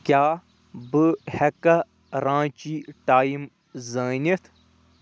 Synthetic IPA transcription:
kʲjaː | bɨhɐkɐ | ɾãːt͡ʃiːʈaːim | zaːnit̪ʰ

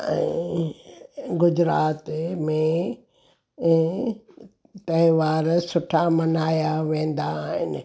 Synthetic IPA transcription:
ɛ̰̃ː | ɡʊd͡ʑɾaːt̪mẽ | t̪ɐɪʋaːɾsʊʈʰamɐnaːjaʋẽːn̆d̪aɦɪ̰nɪ̆

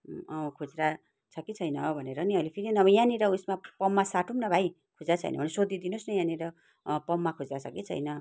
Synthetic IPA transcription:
ʌkʰod͡zɾa | t͡sʰʌkit͡sʰʌjnʌbʱʌneɾʌniʌjlepʰiɾinʌbʌjãniɾʌusmapʌmːasaʈʰumnʌbʱaj | kʰod͡zat͡sʰʌ̰jnʌ̰bʱʌnesod̪ʱid̪inosnʌjãniɾʌ | pʌmːakʰod͡zɾat͡sʰʌkit͡sʰʌ̰jnʌ

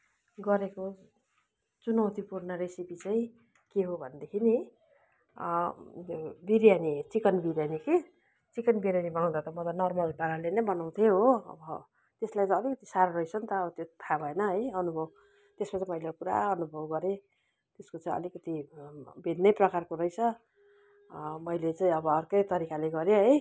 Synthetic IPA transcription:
ɡʌɾeko | t͡sunʌwt̪ipurnʌɾesipit͡saĩ | keɦobʱʌnd̪ekʰini | biɾjanit͡sikʌnbiɾjanike | t͡sikʌnbiɾjanibʌnaw̃d̪at̪ʌmʌt̪ʌnʌrmʌlpaɾalenʌbʌnaw̃t̪ʰeɦoʌ̰bʌ | t̪eslajt͡sʌlikʌt̪i̥saɾrʌjt͡sʰʌnt̪ʌːbʌt̪jot̪ʰabʱʌenʌɦʌjʌnubʱʌb | t̪espat͡sʌmʌjlekuɾa̰ʌnubʱʌbɡʌɾe | t̪eskot͡saĩʌ̰likʌt̪ibʱinnʌjprʌkarkoɾʌjt͡sʰʌ | mʌjlet͡saĩʌbʌːrkʌjt̪ʌɾikaleɡʌɾjoɦʌj

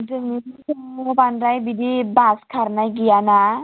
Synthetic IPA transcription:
dɯnitisɔŋobanɾajbidibaskʰaɾnajɡijana

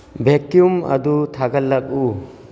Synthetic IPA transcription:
bʱekjumɐ̰d̪ut̪ʰaɡɐlːak̚u

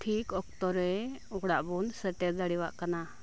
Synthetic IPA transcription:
ʈʰikɔkt̪ɔɾɛɔɡɽaʔbunsəʈɛd̪aɽiwa̰ʔkana

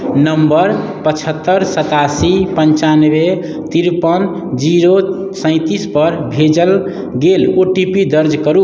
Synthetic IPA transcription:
nəmbəɾ | pət͡ʃʰət̪ːəɾsət̪asipənt͡ʃanbe | t̪iɾpən | d͡ʒiɾo | sə̃ɪ̃t̪ispəɾbʱed͡ʒəl | ɡeloʈipid̪əɾd͡ʒkəɾu

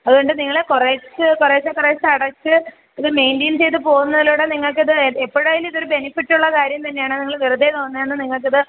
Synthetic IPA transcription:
ɐðuɣoɳɖɨniŋːɐɭekoreːt͡ɕːɨkoreːt͡ɕːɐkoreːt͡ɕːɐɽɐt͡ɕːɨ | ɐðɨme̞jndiːnt͡ɕe̞jt̪̬ɨpo̞ːɣunːɐðiluːɽe̞niŋːɐɭkːɨɐðɨepːoɽɐːjiliðo̞ɾube̞nifiʈːuɭːɐkaːɾjɐmt̪ɐnːe̞jaːɳɨniŋːɐɭʋirud̪et̪o̞ːnːɐenːɨniŋːɐɭk̬ːɐðɨ

